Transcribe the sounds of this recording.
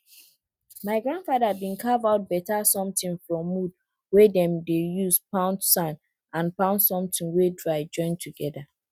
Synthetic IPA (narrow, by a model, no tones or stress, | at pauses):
maɪɡɹãndfadaabĩnkʰavaʊt̚bɛtasɔ̃mtĩnfɹɔ̃mːud̚ | wɛdɛ̃mdejuzpãʊ̃ntsãn | ãnpãʊ̃ntsɔ̃mtʰĩŋwedɹaɪd͡ʒɔ̃ɪ̃ntʰuɡɛda